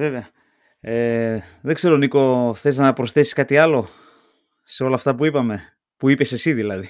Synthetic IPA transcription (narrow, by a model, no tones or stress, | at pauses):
ve̞veɐ | eðe̞ɡse̞ɾoniko̞θe̞znɐpɾo̞sθe̞si̥skɐt̪iɐlo̞ | seo̞lɐːft̪ɐpuipɐme̞ | puipe̞se̞siðilɐði